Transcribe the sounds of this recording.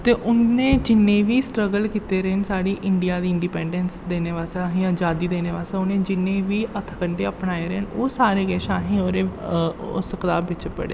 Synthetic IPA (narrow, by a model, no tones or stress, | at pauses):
t̪eːʔʊnːẽːd͡ʒɪnːẽːʋiːsʈɾəɡəlkiːt̪eːɾəɦnsaːɽiːʔɪɳɖijaːd̪iːɪ̃ɳɖipɛ̃ːɳɖɛnsd̪eːneːʋaːsaɦjãːd͡ʒaːd̪iːd̪eːneːʋaːseːʊnẽːd͡ʒɪnːẽːʋiːʔət̪ʰkəɳʈeːəpnaːeːɾɛɦnoːsaːɾeːɡɛːʃaːɦĩːoːɾeːʊ̰skt̪aːbːɪt͡ʃpə̰ɽḛː